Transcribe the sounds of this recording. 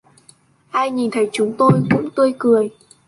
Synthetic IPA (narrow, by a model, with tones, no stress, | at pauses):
haː˧jɲi˨˩nt̪ʰə˨˦jt͡ɕʊ˨˦ŋ͡mt̪o˧jkʊ̰˧˥ŋ͡mt̪ɨ˧əjkɨ˨˩əj